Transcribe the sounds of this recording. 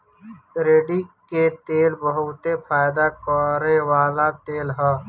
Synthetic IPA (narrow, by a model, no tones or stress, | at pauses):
ɾeːɖiket̪eːlbəɦʊt̪epʰaːjɪd̪akɔɾeʋaːlat̪eːlɦɛː